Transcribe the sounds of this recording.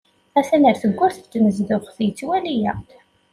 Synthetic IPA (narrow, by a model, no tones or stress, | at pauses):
æθænəɾθəɡʷːʊɾθt̪ːnəzðʊχθjət͡sːwælijæ